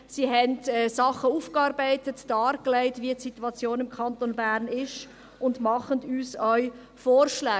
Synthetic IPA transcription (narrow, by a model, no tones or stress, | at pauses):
siɦɛntɛːsɑχːəuːfkɑːɾbaɪtətd̥ɑːɾklaɪtʋiətsituɑt͡sjoːnɪmkʰɑntonbæːɾnɪʃ | ʊndmɑχəndyːsœʏ | foːɾʃlɛː